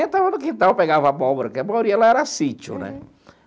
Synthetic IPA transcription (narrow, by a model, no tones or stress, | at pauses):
ẽt̪avɐ̃nʊkĩnt̪ãwpeɡavɐabɔbɾɐkɪamajoɾiɐɛlaɛɾasit͡ʃʊ̰nɛ̰